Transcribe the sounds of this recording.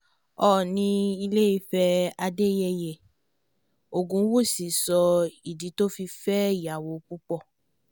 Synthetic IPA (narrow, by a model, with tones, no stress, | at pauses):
ɔ˦˨nĩ˧i˧le˦i˧fɛ˦a˧de˦jɛ˧jɛ˨ | o˨ɡũ˨˦wu˦˨si˨sɔ˧i˨di˨˦to˦fi˧fɛ˦˨ja˨wo˨k͡pu˦k͡pɔ˦˨